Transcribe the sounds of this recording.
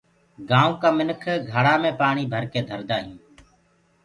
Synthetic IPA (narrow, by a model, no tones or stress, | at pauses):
ɡãːũːkaːmɪnəkʰɡʱəɽaːmẽːpaːɳiːbʱəɾkeːd̪ʱəɾd̪aːɦjũː